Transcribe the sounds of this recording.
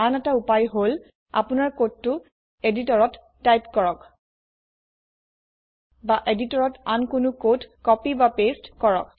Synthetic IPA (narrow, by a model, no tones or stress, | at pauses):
anɛtaupajɦol | a̰pʊnaɹkod̚tʊ | editɔɹɔtː | ajpkɔɹɔk | baʔeditɔɹɔtankʊnʊkodkɔpibapestkɔɹɔk̚